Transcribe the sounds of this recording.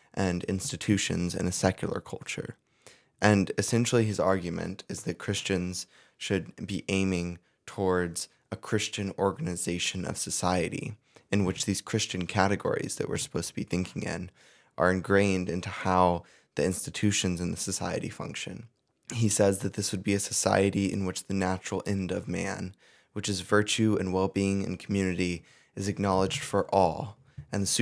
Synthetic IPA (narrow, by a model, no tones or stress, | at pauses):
ʔɨ̃nɪ̰̃nstɨtʰʉʃɨ̰̃nzɨ̰̃nɨsɛkʰjl̩ˠə̰˞kʰʌlˠt͡ʃə̰˞ | ʔɨ̃nɨsɛ̃nʃl̩ˠiɨzɑɹɡjmɨ̰̃ntʰɨzðɨt̚kʰɹ̥ɪst͡ʃɨ̃nz̥ | ʃɨd̚biʔẽɪ̃mɪ̃ŋ | tʰɔɹdz̥ | əkʰɹ̥ɪst͡ʃɨ̃nɔɹɡɨnɨzeɪʃɨ̃nʌ̰v̥sɨsaɪɨɾḭ | ɨ̃nwɨt͡ʃðiz̥kʰɹ̥ɪst͡ʃɨ̃nkʰæɾɨɡɔ̰ɹḭzðɨ̰ʔ̚wɨ̰˞sə̥pʰoʊz̥tʰəbiθɪ̃ŋkʰɪ̃ŋɪ̰̃n | ʔə̰˞ɨ̃nɡɹẽɪ̃ndɪ̃ntuhaʊ | ðiɪ̃nstɨtʰʉʃɨ̃nzɨ̃nðəsɨsa̰ɪɨ̰ɾḭfʌ̰̃ŋkʃɨ̰̃n | isɛzðɨt̪̚ðɪswɨd̚biɨsɨ̥sa̰ɪɨɾiɨ̰̃nwɨt͡ʃðɨnæt͡ʃɹl̩ˠɛ̃ndʌvmæ̰̃n | wɨt͡ʃɨzvɜ˞t͡ʃʉɨ̃nwɛlˠbiɪ̃ŋɨ̰̃nkʰm̩jʉnɨɾi | ɨzɨk̚nɑlˠəd͡ʒd̥fə˞ʔɔ̰lˠ | ɨ̃nðɨs